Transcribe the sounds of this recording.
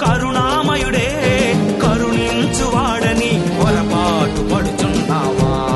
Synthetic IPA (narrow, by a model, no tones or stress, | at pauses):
kɐɾuɳaːmɐjuɽeːkɐɾuɳint͡ʃuʋaːɽɐni | kɔlɐpaːʈupɐɽut͡ʃunɖaːʋaː